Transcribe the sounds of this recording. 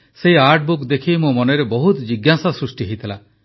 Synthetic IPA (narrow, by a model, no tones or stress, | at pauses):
seiaɾʈ̚bukd̪ekʰimumɔneɾebɔɦut̪d͡ʒiɡasasɾusʈiɦejt̪ʰila